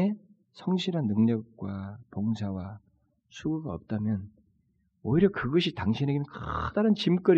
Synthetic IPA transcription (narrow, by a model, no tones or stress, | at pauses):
e | sʰʌŋɕʰiɾɦanːɯŋɲʌk̚k͈wapoŋsʰawa | sʰuɡuɡaʌp̚t͈amjʌn | oiɾjʌkɯɡʌɕʰitaŋɕʰineɡenɯnkɯd̥aɾɯnt͡ɕimk͈ʌɾ